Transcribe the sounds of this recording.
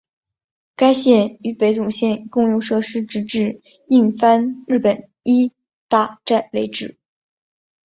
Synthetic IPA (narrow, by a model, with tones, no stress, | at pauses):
ka˥ɪɕjɛ˥˩ny˧˥pe˧˥ɪt͡sʊ˨˩ŋɕjɛ˥˧nkʊ˥˧ŋjʊ˥˧ŋʂɤ˥˩ʂɻ̩˥ʈ͡ʂɻ̩˧˥ʈ͡ʂɻ̩˥˩ | i˥˩ŋfa˥nɻɻ̩˥˩pə˨˩˦n | i˥ | t̪a˥˧ʈ͡ʂa˥˩nwe˧˥ɪʈ͡ʂɻ̩˨˩˦